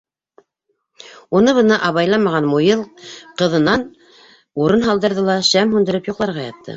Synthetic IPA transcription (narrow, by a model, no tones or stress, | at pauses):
unɤβɤ̆nɤʔɑβɑjlˠɑmɑʁɑnmujɤlˠqɤ̆ðɤ̆nɑn | uɾɤnɦɑlˠd̪ɤ̆ɾðɤlˠɑʃæmhʉnd̪ɘ̆ɾɘpjuqlˠɑɾʁɑjɑt̪ʰːɤ̰